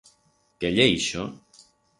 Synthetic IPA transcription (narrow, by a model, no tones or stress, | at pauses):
keʎeiʃo